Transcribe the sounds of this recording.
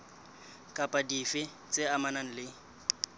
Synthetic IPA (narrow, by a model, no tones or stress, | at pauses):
kʼapʼadifɪ | t͡sʼɪamanan̩lɪ